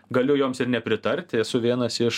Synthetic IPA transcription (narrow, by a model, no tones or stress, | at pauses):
ɡɐlʲʊjoːmsɪɾnʲɛpʲɾʲɪt̪ɐɾʲt̪ʲɛsʊʋʲiɛnɐsɪʃ